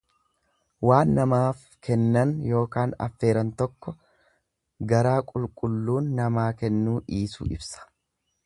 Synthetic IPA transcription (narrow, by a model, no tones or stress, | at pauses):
waːnːɐmaːf | kʰɛnːɐnjo̞ːkaːnɐ̰fːe̞ːɾɐnt̪ɔkːɔ | ɡɐɾaːkʼʊlkʼʊlːuːnːɐmaːkɛnːuːʔiːsṵːɪbsɐ̥